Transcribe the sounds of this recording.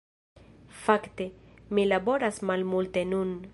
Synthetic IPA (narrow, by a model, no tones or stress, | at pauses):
fakt̪e̞milabo̞ɾasmalmult̪e̞nun